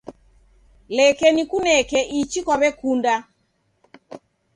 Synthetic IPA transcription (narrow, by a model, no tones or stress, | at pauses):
lɛkɛnikunɛkɛʔit͡ʃikwaβɛkunda